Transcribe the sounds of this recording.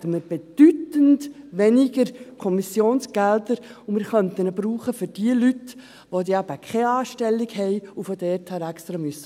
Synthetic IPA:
təməɾb̥ed̥ytəntʋenɪɡəɾkʰɔmisjoːnsɡ̥ældəɾʊmɪɾχœntənəbɾuːχəfʏɾd̥iəlyt | ʋodiːæb̥əkʰɛɑːʃtɛlːɪɡhɛɪufɔdɛrthæːɾækst̪ɾamysːə

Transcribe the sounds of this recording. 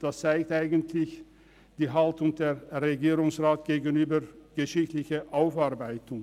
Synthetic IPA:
d̥ast͡saɪk̚tʔaɪɡəntʰlɪç | d̥iːɦaltʊŋd̥eːɐʁeɡiːʁʊŋsʁaːtɡ̥eːɡənyːbəɡ̥əʃɪçtlɪçəʔaʊfaɐbaɪtʊŋ

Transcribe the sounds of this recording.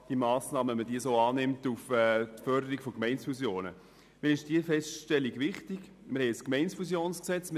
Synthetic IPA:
d̥iəmaːsnɑːməɛmədiːəsoːɑːnɪmtufɛːtfœɾdəɾikfokmɛɪnsfusjoːnə̰ | miɾɪʃd̥iːəfɛstʃtɛliɡvɪχtɪɡ | mɪɾhɛɪəskmɛɪnsfusjoːnsksɛt͡smɪ

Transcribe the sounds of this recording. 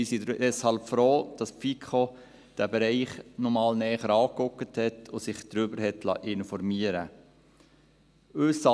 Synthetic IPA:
miːsidd̥ɛshɑlpfɾoːd̥ɑspfikʰχo | d̥æbɛɾɛɪχnɔmɑːlnɛːχəɾɑːkʊkəthɛtʰosɪχd̥ɾʏbəɾɦɛtlɑ̰ʔɪnfɔɾmiəɾə | øsɑ

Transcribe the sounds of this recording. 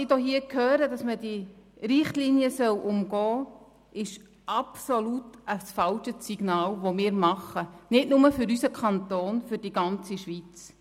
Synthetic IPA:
id̥ɔɦiːəkʰhøːɾəd̥ɑsmədiɾɪχtliniəsœwʔʊmɡɔː | ʔɪʃ | ʔɑpsolutəsfɑlʃəsiɡ̥nɑːlʋomɪːɾmɑχːənɪtnʊməfʏɾysəkʰχɑnt̪oːnfʏɾd̥iɡɑnt͡siʃʋit͡s

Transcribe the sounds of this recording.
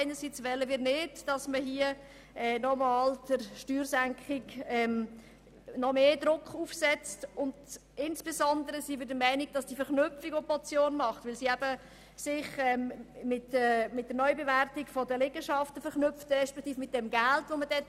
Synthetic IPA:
aɪnəɾsiːt͡sʋɛləmiːɾnɪdd̥ɑsməɦiə | ɛːnɔmɑːld̥əɾʃtyːɾsæŋkχɪɡɛːm | nɔmeːdɾʊkʰχuːfsɛt͡stʊnd | ɪnsb̥esɔndəɾəsivɪdəmɛɪniɡ̥̚d̥ɑsd̥ifɛɾχnʏpfiɡopɔt͡sjoːnmɑχtʋɪlsiːæbə | sɪχɛːmmɪtəmɪt̚d̥ənɔʏbevæɾtɪkfɔdəlɛɡəʃɑftəfɛχnʏftɛʃpɛkʰtiːfmɪt̚d̥ɛmɡæltʋomədɛ

